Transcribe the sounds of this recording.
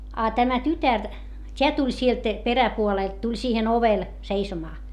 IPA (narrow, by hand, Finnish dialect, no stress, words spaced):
ɑ tæmæ tytær tʲeæ tulʲ sielt peræpuoleˑlt tulʲ siːhen oʋel seisomɑː